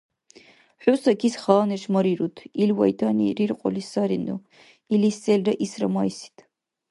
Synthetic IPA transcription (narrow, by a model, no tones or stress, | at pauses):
ħʷʊsɐkʰisχaːnɛʂmɐɾiɾutʰilwɐ̰jtʰanḭrirqʼɔ̰lisaɾinu | ilisɛlrɐʔisrɐmajsi̥tʰ